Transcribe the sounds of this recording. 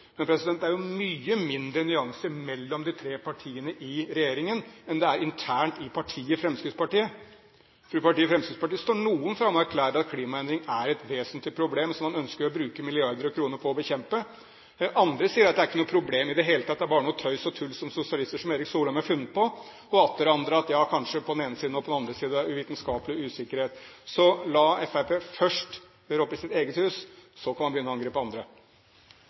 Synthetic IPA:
mɛnpʰɾɛsɪd̪ɛnt̪æɾjʊmyːəmɪnd̪ɾənʏɑŋsəmɛlːɔmd̪ɪt̪ʰɾeːpʰɑʈʰiːənəʔɪɾɛjeːɾɪŋənɛnd̪ɛæɾɪnt̪ʰæːɳʈɪpʰɑʈʰiːəfɾɛmskɪd̪spɑʈiːə | fɾʉːpɑʈiːəfɾɛmskɪd̪spɑʈiːəst̪oːɳuːənfɾɑmːɔæɾkʰlæːɾəɑt̪̚kʰliːmɑɛnd̪ɾɪŋæɾɛt̪ʋeːsnt̪lɪpʰɾʊbleːmsɔmːɑnœnskəɾɔbɾʉːkəmɪlɪɑɾd̪əɾɔkʰɾuːnəɾpʰɔɔbəçɛmpə | ʔɑnd̪ɾəsiːəɾɑt̪̚d̪æɾɪkːənuːəpʰɾʊbleːmɪd̪ɛɦeːlət̪ʰɑt̪̚d̪ɛæɾbɑːɾənuːət̪ʰœʏsɔt̪ʰʉlːsɔmsʊsɪɑlɪst̪əʂɔmeːɾɪksuːlɔmæɾfʉnːət̪̚pʰɔ | ɔɑt̪ʰːɛɾɑnd̪ɾəɑt̪jɑːkʰɑnʂəpʰɔd̪ɛneːnəsiːd̪n̩ɔpɔd̪nɑnd̪ɾəsiːd̪əʉʋiːt̪nskɑːpəlɪʉːsɪkːəɾheːt̪sɔlɑɛfæpʰeːfœʂʈ | øːɾɔpːɪsɪt̪eːɡət̪hʉːssɔkʰɑnmɑnbəjʏnːəɑŋɡɾeːpːɔɑnd̪ɾə

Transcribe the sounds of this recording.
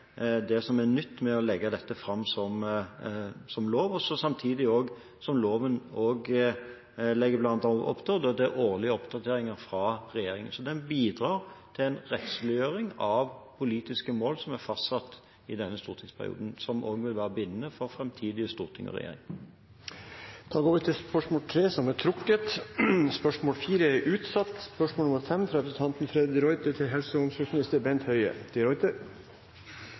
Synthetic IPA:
d̪ɛsɔmæʁnʏt̪ːmɛɔlɛɡːɑd̪ɛt̪ːəfɾɑmːsɔm | sɔmloːʋɔsɔsɑmt̪ʰiːd̪ɪoːɡ | sɔmloːʋənoːɡ | lɛɡːəblɑnɑnt̪ʔɔ̰pt̪ʰəd̪ɔd̪ɛæʔoːʁlɪəɔpd̪ɑt̪ʰeːɾɪŋəɾfɾɑɾɛjeːɾɪŋənsɔd̪ɛnbiːd̪ɾɑːɾt̪ʰɪlɛɪnɾɛt̪slʉøːɾɪŋɑʋpʰʊliːt̪ɪskəmoːlsɔmæʁfɑst̪sɑt̪ː | ɪd̪ɛnːəst̪uːɾt̪ʰɪŋspʰæ̰ʁɪ̰ṵːd̪n̩sɔmʔo̰ːɡʋɪlʋæːɾəbɪnːnəfɔɾfɾɛmt̪ʰiːd̪ɪəst̪uːʁt̪ʰɪŋɔ̰ʁɛ̰jḛːɾɪ̰ŋ | t̪ʰɑːɡoːʋət̪ʰɪspœʂmoːlt̪ʰɾeːsɔmæt̪ʰɾʊkːət̪spœʂmoːlfiːɾəɛɾʔʉːt̪sɑt̪ːspœʂmoːlnʊməɾfɛmnt̪ʰɾɛd̪ət̪ʰɑnt̪n̩fɾɛd̪ɪɾɔʏt̪ət̪ʰɪlɦɛlsəʊmsɔsmnɪst̪əɾbɛnt̪hœʏə̰t̪ʰɪɾɔʏt̪ə

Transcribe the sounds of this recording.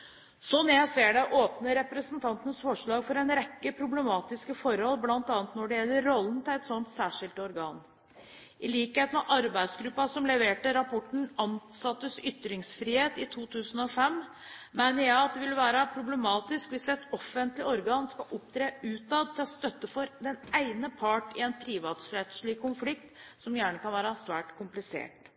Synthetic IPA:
sɔnːjæɪseːɖɛʔoːpnəɾɛpɾəsnt̪ʰɑnt̪ənəsfɔʂɭɑːɡfɔɾɛnɾɛkːəpʰɾʊbləmɑːt̪ɪskəfɔɾhɔlblɑnt̪ɑːnət̪nɔɖɛjɛlːəɾɔlːən̩t̪ʰɪlɛt̪sɔnt̪sæːʂɪlt̪ɔɾɡɑːn | ʔɪliːkeːt̪nɑʔɑɾbæɪsɡɾʉpːɑsɔmlɛʋeːʈəɾɑpʰɔʈɳ̩ɑnsɑt̪ːəsʏt̪ːɾɪŋsfɾiːheːt̪ɪt̪ʰuːt̪ʰʉːsən̩ɔfɛm | mæɪnəɾjæɪɑt̪̚d̪ɛʋɪlʋæːɾɑpʰɾʊbləmɑːt̪ɪskʋɪsʋɛt̪ɔfːənt̪lɪɔɾɡɑːnskɑʔɔpt̪ʰɾeːʉːt̪ɑd̪t̪ʰɪlɔst̪œt̪ːəfɔɾd̪ɛnæɪnəpʰɑʈɪ̰ɛnpʰɾiːʋɑːt̪sɾet̪slɪkʰːʊnflɪkt̪sɔmjæːɳəkʰɑnʋæːɾɑsʋæːʈkʰʊmplɪsḛːʈ

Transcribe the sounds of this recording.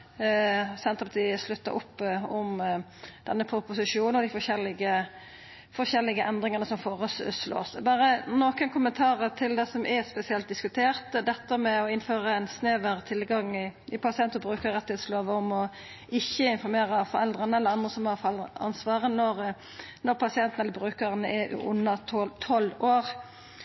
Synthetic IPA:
sɛnt̪ʁəpɑt̪ʰiːəslʉt̪ːə̰ʔʊ̰pːɔmd̪̥ɛnːəpʰɾʊpʊsɪʂuːnəɔd̪ɪfɔʂɛlːɪɡə | fɔɕɛlːɪɡəʔɛnd̪ʁɪŋənəsɔmfoːɾəslo̰ːsbɑːɾənoːkənkʊmənt̪ʰɑːɾət̪ʰɪld̪ɛsɔmʔɛspɛsɪɛlt̪̚d̪ɪskʉt̪ʰeːʁt̪d̪ɛt̪ːəmɛɔɪnføːɾəɛnsnøːʋəɾt̪ʰɪlɡɑŋːɪɪpʰɑsɪɛnt̪ːəɾbɾʉːkəɾɛt̪ːɪhɛːt̪sloːʋəɔmɔ | ɪçːəɪnfɔɾmeːɾəfɔɾɛld̪ɾənəɛlːəɾɑnd̪ʁəsɔmhɑɑlɑ̰nsʋɑːʁənɔɾ | nɔɾpʰɑsɪɛnt̪ənɛləbɾʉːkəʁənəʔɛʔʉ̰ʔʉ̰nːɑtt̪ʰɔlːoːɾ

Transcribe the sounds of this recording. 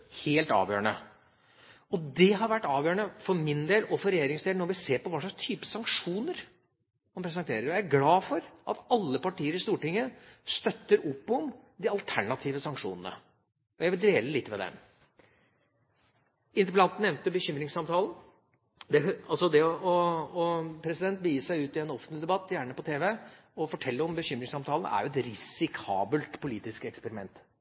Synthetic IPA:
heːlt̪ɑ̰ːʋjø̰ːəɳə | ɔd̪ɛɦɑɾʋæʈːɑːʋjøːəɳəfɔɾmɪnd̪eːlɔfɔɾɛjeːɾɪŋsd̪eːlnɔɾʋɪseːɾpɔʋɑːʂɭɑkst̪ʰyːpə̥sɑŋkʂuːnəɾ | mɑnpʰɾɛs̬ɛnt̪ʰeːɾəɾææɾɡlɑːfɔɾʔɑ̰t̪ɑlːəpɑʈʰiːəɾɪst̪uːʈɪŋːəst̪œt̪ːəɾɔpːɔmd̪ɪɑlt̪ʰæɳɑt̪ʰiːʋəsɑŋkʂṵːnən̩ə̰ | ɔjæʋɪld̪eːləlɪt̪ːmɛd̪ɛ̰m | ɪnt̪əpəlɑnt̪n̩ɛʋnt̪əbəɕʏmɾɪŋsɑmt̪ʰɑːln | d̪ɛɑlsɔd̪ɛɔɔɔpʰɾɛsɪd̪ɛnt̪̚bəjiːssæɪʉːt̪ɪɛnɔfnt̪lɪd̪ɛbɑt̪ːjæːɳəpɔt̪ʰeːʋɛ | ɔfɔʈʰɛlːəɔmbəɕʏmɾɪŋsɑmt̪ʰɑːln̩ʔæ̰ɾjʊɛt̪ɾɪsɪkʰɑ̰ːbəlt̪pʰʊliːt̪ɪskɛkspəɾɪmɛ̰nt̪

